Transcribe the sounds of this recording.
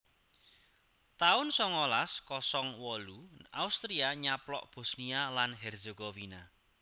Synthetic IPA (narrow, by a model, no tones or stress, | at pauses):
t̪aʊnsɔŋɔlaskɔsɔŋwɔluʔaust̪ɾiaɲaplɔ̰ʔb̥o̤snialanɦɛrzeɡ̥owina